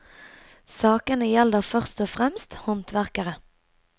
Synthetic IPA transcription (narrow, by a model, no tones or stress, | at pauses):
sɑːkənəjɛləʁfœʁst̪ɔfʁɛmst̪hɔnt̪ʋæʁkəʁə